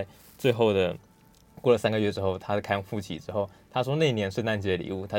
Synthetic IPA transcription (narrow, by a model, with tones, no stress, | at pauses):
ɪ | t͡swe˥˧ɪxo˥˩ʊd̪ə˩ | kwɔ˥˩lə˩sa˥nɡə˨ɥɛ˥˩ʈ͡ʂɻ̩˥xo˥˩ʊt̪ʰa˥˧˩kʰa˥˧ŋfu˥˩t͡ɕʰḭ˨˩ʈ͡ʂɻ̩˥xo˥˩ʊt̪ʰa˥ʂ̬wɔ˥na˥˩ɪi˧njɛ˧˥nʂɻ̩˥˧na˥˧nt͡ɕi˧˥d̪ə˨˩lḭ˨˦u˥˩t̪ʰa˥